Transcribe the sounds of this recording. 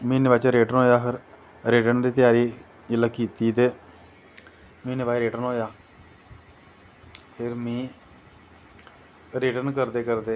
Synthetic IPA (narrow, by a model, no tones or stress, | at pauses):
mĩːnɪbaːt͡ʃaɾeːʈənɦoːjaːpʰɪɾ | ɾeːʈənd̪iːt̪jaːɾiː | d͡ʒələkiːt̪iːt̪eː | mĩːnɪʋaːiɾeːʈənɦoːjaː | pʰɪɾmĩː | ɾɪʈənkəɾd̪eːkəɾd̪eː